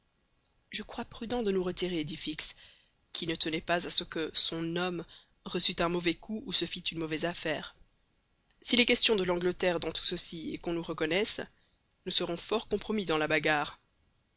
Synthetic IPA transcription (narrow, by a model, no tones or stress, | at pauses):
ʒəkχwapχyd̪ɑ̃d̪ənuʁət̪iʁed̪ifiks | kʲinət̪ənɛpazasəkəsɔ̃nɔm | ʁəsyt̪ɛ̃mɔvɛkʰuːsəfit̪ynmɔvɛzafɛːʁ | silɛkʲɛst̪jɔ̃d̪əlɑ̃ɡlət̪ɛʁd̪ɑ̃t̪u̥səsiḛkɔ̃nuʁəkɔnɛs | nusəʁɔ̃fɔʁkɔ̃pχɔmid̪ɑ̃labaɡaːʁ